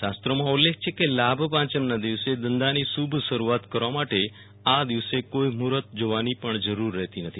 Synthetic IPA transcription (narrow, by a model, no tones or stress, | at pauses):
ʃast̪ɾəmãulːek̚ʰt͡ʃʰekelabʱpãt͡ʃənnad̪iʋsed̪ənd̪anisubʱʃəɾuat̪kəɾʋamaʈe | ad̪iʋsekoimuɾət̪̚d͡ʒoʋanipəɳd͡ʒəɾuɾːɛɦt̪inət̪ʰi